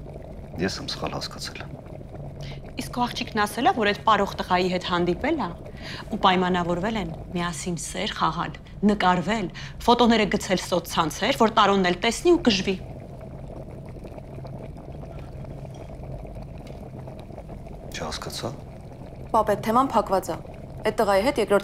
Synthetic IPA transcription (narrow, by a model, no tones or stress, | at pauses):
jɛsɛmsə̥χɑ̰lhɑ̰skɑ̥t͡sʰɛl | iskɔɑχt͡ʃʰikʰnɑsɛlɑvɔɾɛt̪pɑɾɔʁt̪əʁɑjiɦɛt̪hɑnd̪ipɛlɑ | upɑjmɑnɑvɔɾvɛlɛnmiɑsinsɛɾχɑʁɑ̰l | nəkɑɾvɛlfɔt̪ɔnɛɾəɡət͡sʰɛlsɔt̪ʰt͡sʰɑnt͡sʰɛɾvɔɾt̪ɑɾɔnːɛlt̪ɛsniukəʒvi | t͡ʃʰəhɑ̰skɑt͡sʰɑ̰ | pɑpɛt̪ʰːɛmɑnpʰɑkvɑt͡sɑ | ɛt̪̚t̪ːəʁɑjiɦɛt̪jɛkɾɔɾt̪